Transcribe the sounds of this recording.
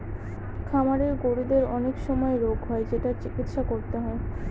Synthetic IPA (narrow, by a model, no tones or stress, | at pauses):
kʰamaɾeɾɡoɽid̪eɾɔnekʃɔmɔeɾoɡʱɦɔed͡ʑeʈaɾt͡ɕikit̪ʃakoɾt̪eɦɔe